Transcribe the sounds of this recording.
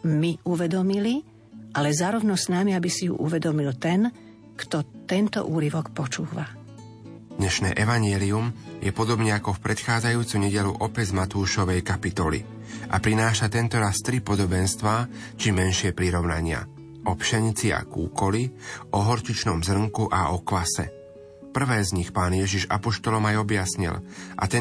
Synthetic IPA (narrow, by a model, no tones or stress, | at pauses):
miuʋɛd̪ɔmili | ʔalɛzaːɾɔʊnɔsnamiabisijṵʔuʋɛd̪ɔmilt̪ɛn | kt̪ɔt̪ɛnt̪ɔ̰ʔuːɾiʋɔkpɔt͡ʃuːʋa | d̪ɲɛʃnɛ̰ːʔɛʋaɲɛliumjɛpɔd̪ɔbɲɛakɔfpɾɛt̪xaːd͡zajuːt͡suɲɛɟɛluʔɔpɛɟzmat̪uːʃɔʋɛjkapit̪ɔlḭ | ʔa̰pɾinaːʃat̪ɛnt̪ɔɾast̪ɾipɔd̪ɔbɛnst̪ʋaː | t͡ʃimɛnʃɪɛpɾiɾɔʊnaɲɪa̰ | ʔɔpʃaɲit͡sia̰kṵːkɔliʔɔɦɔɾt͡ʃit͡ʃnɔmzr̩mkuʔaɔkʋasɛ̰ | pr̩ʋɛːzɲixpaːnjɛʒiʒa̰pɔʃt̪ɔlɔmajɔbjasɲḭlʔa̰t̪ɛ